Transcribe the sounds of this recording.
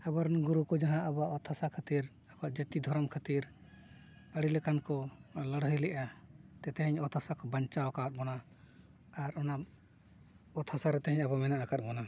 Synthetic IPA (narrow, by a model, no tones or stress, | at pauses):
abaɾnɡuɾukɔd͡ʒaɦãʔabaʔɔt̪ʰasakʰət̪iɾ | abaʔd͡ʒət̪id̪ʱɔɾɔmkʰət̪iɾ | əɽilɛkankɔləɽɦəlɛʔat̪ɛt̪ɛɦɛɲɔt̪ʰasakɔbaɲt͡ʃawkat̪̚bɔna | aɾɔnam | ɔt̪ʰasaɾɛt̪ɛɦɛɲabɔmɛnaʔakat̪̚ˀbɔna